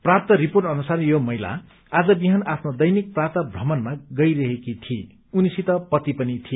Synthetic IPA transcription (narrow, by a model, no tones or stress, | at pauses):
prap̚t̪ʌɾiporʈʌnusarjomʌɦjla̰ | ad͡zʌbiɦʌnapʰnod̪ʌjnik̚prapt̪ʌbʱrʌmʌnmaɡʌjɾʌɦekit̪ʰiḛ | unisit̪ʌpʌt̪ipʌnit̪ʰie